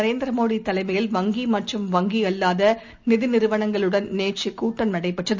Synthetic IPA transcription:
ɐɾeːnd̪ɾɐmoːɽit̪ːɐlɐɪmɐjɪlʋɐŋɡimɐʈrɯmʋɐŋɡiɐlːaːðɐ | nɪðɪnɪɾɯʋɐɳɐŋɡɐɭɯɽɐnneːt͡ʃikːuːʈːɐnnɐɽɐɪpːɛʈrɐð

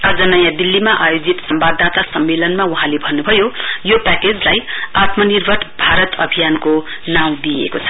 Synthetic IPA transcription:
ʌd͡zʌnʌjãd̪ilːimaʔajod͡zit̪sʌmbad̪ːat̪asʌmːelʌnmauɦãlebʱʌnːubʱʌjojopaked͡zlajat̪mʌnirbʱʌʈʰbʱaɾʌt̪ʌbʱijanko | naw̃d̪iḛkot͡sʰʌ̥

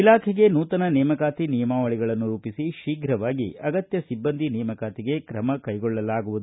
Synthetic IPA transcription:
ilaːkʰɛɡe̞nuːt̪ɐnɐnɛːmɐkaːt̪inijɐmaːʋɐɭiɡɐɭɐnːuɾuːpisiʃiːɡɾɐʋaːɡiɐɡɐt̪jɐsibːɐnd̪ʱinɛjɐmɐkaːt̪iɡe̞kɾɐmɐkɐjɡɔɭːɐlaːɡuʋud̪u

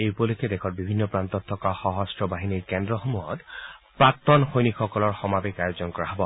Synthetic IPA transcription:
ejupɔlukʰɛd̪ekʰɔɹbibʱinːɔpɹant̪ɔt̪ʰːɔkaxɔɦɔstɹɔbaɦiniɹkɛndɹɔxomuɔtpɹak̚t̪ɔnxojnikxɔkɔlɔɹxɔmabekajozɔnkɔɹaɦɔbɔ

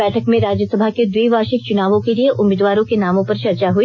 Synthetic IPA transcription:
ɛːʈʰəkmẽɾaːd͡ʒjəsɐbʱaked̪wiːʋaːʃɪk̚t͡ʃʊnaːʋõkelieʔʊmɪːd̪ʋaːɾõkenaːmõpɐɾʃɐɾt͡ʃaɦui

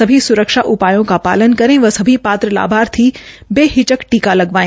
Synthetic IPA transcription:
ɐbʱisʊɾəkʃaʔʊpaːjõkapa̰ːlənkɐɾẽʋɐsɐbʱipaːt̪ɾəla̰ːbʱaːɾt̪ʰiːbeːɦɪt͡ʃəkʈiːkalɐɡʋaːẽ

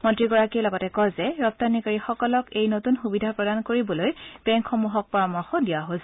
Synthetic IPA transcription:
mɔntɹiɡɔɹakiɛlɔɡɔtɛkɔzɛɹɔp̚tanikaɹixɔkɔlɔkejnotunxubidʱapɹɔdankoɹibɔlojb̥ɛŋkxomuɦɔk̚pɔɹɔmɔxɔdijaɦosɛ

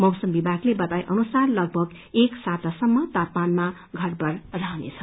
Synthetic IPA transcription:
mʌwsʌmbibʱaɡlebʌt̪ajʔʌnusarlʌɡ̚bʱʌɡ | eksat̪asʌmːʌt̪apmanma | ɡʱʌrbʌrraɦʌnḛt͡sʰʌ

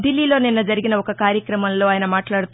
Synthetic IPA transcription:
ɖilːiloːninːɐd͡ʒɐɾiɡinɐɔkɐkaːɾjɐkɾɐmɐnlːoːaːjɐnɐmaːʈlaːɽut̪ː

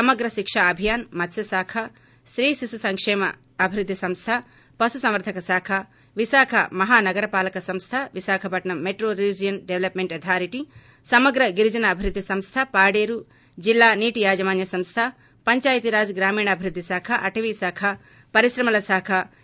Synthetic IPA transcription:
sɐmɐɡɾɐʃikʂaɐbʱijaːnmɐt̪sjɐsaːkʰa | sɾiːsisusɐŋkʂeːmɐ̰ | ɐbʱiɾud̪ʱːisɐ̃mst̪ʰa | pɐsusɐ̃mʋɐɾt̪ʰɐkɐsaːkʰa | ʋisaːkʰɐmɐɦaːnɐɡɐɾɐpaːlɐkɐsɐmst̪ʰaʋisaːkʰɐbʱɐʈnɐmeʈɾoːɾid͡ʒijɐnɖeʋlɐpmeɳʈɐt̪ʰaːɾiʈi | sɐmɐɡɾɐɡiɾd͡ʒɐnɐːbʱiɾud̪ʱːisɐmst̪ʰapaːɖeːɾu | d͡ʒilːaːniːʈijaːd͡ʒɐmaːnjɐsɐmst̪ʰa | pɐɲt͡ʃaːjt̪iɾaːd͡ʒɡɾaːmiːɳɐbʱiɾud̪ʱːisaːkʰɐʔɐʈʰɐʋiːsaːkʰɐ | pɐɾisɾɐmɐlɐsaːkʰɐ

